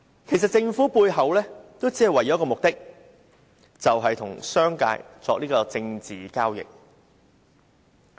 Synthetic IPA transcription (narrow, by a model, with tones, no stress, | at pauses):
kʰe˨˩js̬ɐ˨t̚t͡sɪ˥˧ŋfu˨˥puː˧jɦɐ˨˧wlɛː˥t̪o˥wt͡si˨˥hɐ˨jwɐ˨˩jɐ˨˦˥kɔ˧mʊ˨k̚t̪ɪ˥k̚ | t͡sɐ˨wɦɐ˨jt̪ʰʊ˨˩ŋsœː˥ŋka̰ː˧jt͡sɔː˧k̚niː˥kɔː˧t͡sɪ˧ŋt͡siː˨kaː˥wjɪ̰˨k̚